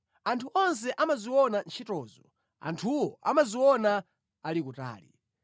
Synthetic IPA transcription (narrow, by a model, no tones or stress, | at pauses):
antʰuɔns̬ɛʔamaziwɔnant͡ʃʰitɔːzɔ | a̰ntʰuwɔa̰maziwɔna | alikuta̰ːlḭ